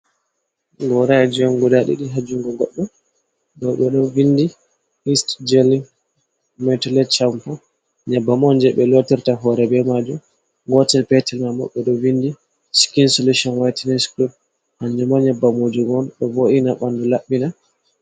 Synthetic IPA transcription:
ɡɔɾad͡ʒiɔnɡɔdaɗḭɗiɦad͡ʒuŋɡɔɡɔɗːɔ | ɗɔwɓɛɗɔvindi | istd͡ʒɛli | mɛtɔlɛt͡ʃampɔ | ɲɛbːamɔnd͡ʒɛɓɛlotiɾtaɦɔɾɛbɛmad͡ʒum | ɡɔtɛlpɛtɛlmamɔ̰ɓɛɗɔwindi | skinsoluʃɔnwajtinɛskɾup̚ | haɲd͡ʒumaɲɛbːamod͡ʒuɡɔnɗɔvoʔinaɓandulaɓːina

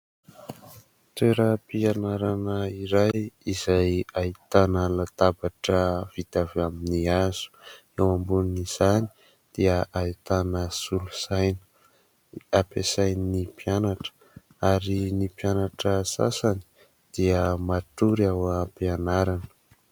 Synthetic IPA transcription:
t̪eɾəpianaɾanəiɾajizajait̪anəlat̪abaʈ͡ʂəv̥it̪avaminiaz̥u̥ | ewambuniniz̥ani̥ | d̪̥iəʔait̪anəsulusajn | apesajninipjanaʈ͡ʂə̥ | aɾinipjanaʈ͡ʂəsa̰sani̥ | d̪̥iəmaʈ͡ʂuɾawpianaɾanə̥

